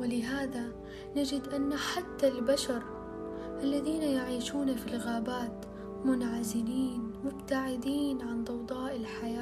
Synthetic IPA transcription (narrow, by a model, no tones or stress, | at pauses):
wɪlɪɦaːða | nad͡ʒɪd̪ʔanːaħat̪ːalbaʃɑɾˤ | ʔalːaðiːnajaʕiːʃuːnafilɣaːbaːt̪ | mʊnʕazɪniːnmʊbt̪aʕɪd̪iːnʕand̪ˤɑwd̪ˤɑːʔɪlħajaː